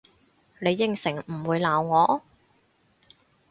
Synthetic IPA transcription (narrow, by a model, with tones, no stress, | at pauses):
ne˨˧jːɪ˨˧ŋsɪ˨˩ŋm̩˨˩wuː˨˧jlaː˨˩wŋɔː˨˧